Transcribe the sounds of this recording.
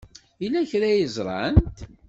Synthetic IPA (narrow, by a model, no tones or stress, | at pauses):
ilːæçɾæjəzˤɾˤɑ̰nt̪